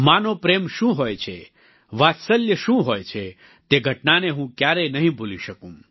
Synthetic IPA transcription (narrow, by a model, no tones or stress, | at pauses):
manopɾemʃũɦojt͡ʃʰe | ʋat̪səljəʃũɦojt͡ʃʰe | t̪eɡʱəʈnaneɦũkjaɾenəɦĩbʱoliʃəkũm